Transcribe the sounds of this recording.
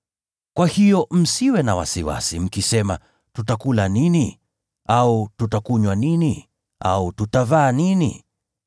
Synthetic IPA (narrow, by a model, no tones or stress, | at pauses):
kwahijɔm̩siwɛnawa̰siwa̰sim̩kisɛma̰ | tutakulanini | aututakuɲwanini | ʔa̰ututavaːninḭ